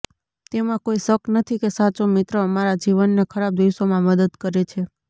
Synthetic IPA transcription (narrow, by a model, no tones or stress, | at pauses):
t̪emãkoisəknət̪ʰikesat͡ʃomɪt̪ɾəəmaɾad͡ʒiʋənːekʰəɾab̚d̪iʃomãməd̪əd̪kəɾet͡ʃʰe